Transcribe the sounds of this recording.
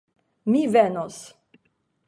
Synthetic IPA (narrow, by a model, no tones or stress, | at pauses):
mivenos